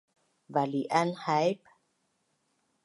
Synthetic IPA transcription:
valiʔanhajp

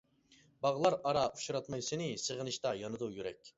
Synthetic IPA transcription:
bɑʁlˠɑɾɑɾɑʔuʃuɾɑt̪mɑjsenɪsəʁənɨʃt̪ɑjɑnɨd̪ujyɾɛ̰kʲ

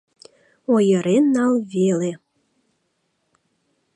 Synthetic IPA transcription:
ojəɾenːɑlβele

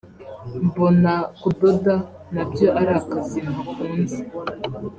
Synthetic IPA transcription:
m̩bonakudoda | nabjoʔaɾakazimakunzi

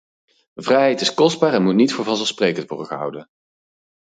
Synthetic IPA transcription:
vrɛjɦɛjtɪskɔzd̚baːɹɛnmutnitfʊːɹvɑnzɛlˠsprejkəntʋɔ̰rdəχəɦʌ̰wdən

